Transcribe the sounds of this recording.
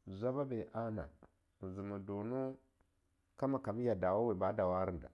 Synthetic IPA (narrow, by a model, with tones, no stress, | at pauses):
zʷa˦ba˦be˨ʔa˦na̰˨ | zi˨ma˨do˨nu˦ | ka˦ma˨ka˨mi˦ja˨da˨wa˦we˨ba˦da˨wa˦ɾi˨nda̰˨